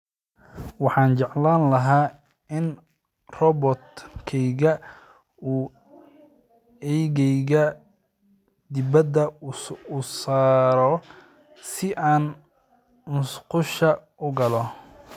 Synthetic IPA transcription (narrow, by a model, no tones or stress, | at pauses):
wɑħɑːnt͡ʃɑʕlaːnlɐɦaː | ɪn | rɔbɔt̪kʰɛjɣɐ | uː | ɛjɣɛjɣɐ | d̪ɪbɐd̪ɐusaːɾɔ | sɪʔaːn | nʊsqʊʃɐʔʊɡɐlɔ